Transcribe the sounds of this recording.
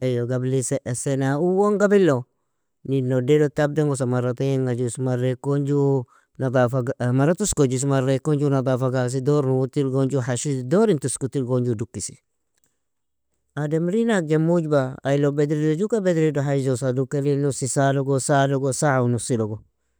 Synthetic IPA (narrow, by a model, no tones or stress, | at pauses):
ejoɡabliseʔesenauwoŋɡabilːo | ninodedotab̚deŋɡos̬amaɾatajeŋɡad͡ʒusmaɾekːoɲd͡ʒu | nadafaɡmaɾatuskod͡ʒus̬maɾekːoɲd͡ʒunad̪afaɡas̬idoɾnuutilɡoɲd͡ʒuɦaʃidoɾintuskutilɡoɲd͡ʒudukːisi̥ | ademɾinak̚d͡ʒemud͡ʒbaajlobedɾidod͡ʒukabedɾidoɦad͡ʒosadukːelinusisaloɡosaloɡosaunusiloɡo